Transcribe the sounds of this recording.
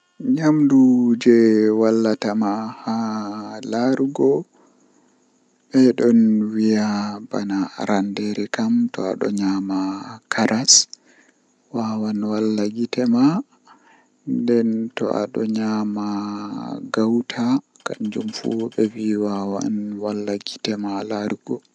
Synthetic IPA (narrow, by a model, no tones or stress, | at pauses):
ɲamdud͡ʒɛwalːatamahalaɾɡɔ | ɓɛɗɔnwijabanaɾandɛɾɛkamtɔa̰ɗɔ̰ɲamakʰaɾʔas | wawanwalːaɡitɛma | ndɛntɔ̰ʔa̰ɗɔ̰ɲama | ɡawtʰa | kamd͡ʒumfṵɓɛwiwawa̰nwalːaɡitɛmalaɾɡɔ